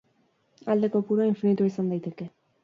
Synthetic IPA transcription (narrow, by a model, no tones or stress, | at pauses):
ald̪ekopuɾoiɱfinit̪uoisand̪ajt̪eke